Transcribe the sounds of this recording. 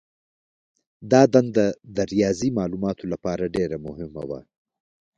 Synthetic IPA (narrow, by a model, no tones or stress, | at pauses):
d̪ɑːd̪and̪ad̪ɐɾijɑːzimɑːlumɑːt̪olapɑːɾaɖeɾamʊɦɪma̰wa̰